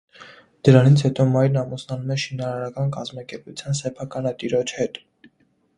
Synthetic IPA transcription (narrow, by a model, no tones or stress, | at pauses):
d̪̥əɾɑnit͡sʰhɛt̪ɔmɑjɾnɑmusnɑnumɛʃinɑɾɑɾɑkɑnkɑzmɑkɛɾput͡sʰjɑnsɛpʰɑkɑnɑt̪iɾɔt͡ʃʰhɛt̪